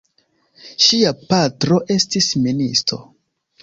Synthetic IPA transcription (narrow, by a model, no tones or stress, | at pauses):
ʃiapatɾo̞ʔe̞stisministo̞̰